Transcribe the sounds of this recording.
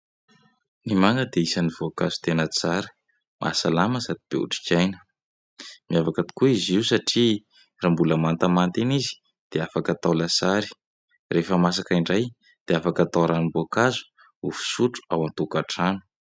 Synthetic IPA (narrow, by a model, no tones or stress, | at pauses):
nimaŋɡəd̪eisanivoakazu̥t̪enət͡saɾə̥ | mʔa̰salaməsad̪ib̥ḛṵʈ͡ʂi̥kajnə̥ | miavakat̪i̥kuiziwsaʈ͡ʂi | rambuləmant̪amant̪enizi̥ | d̪̥eafakat̪awlasaɾi̥ | refəmas̬akaiɳɖ͡ʐaj | d̪̥eafakat̪awɾanuboakazu̥ | ufu̥suʈ͡ʂu̥awant̪ukaʈ͡ʂanu̥